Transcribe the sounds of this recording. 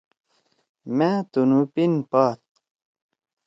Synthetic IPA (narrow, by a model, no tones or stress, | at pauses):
mat̪unupinpaːt̪̚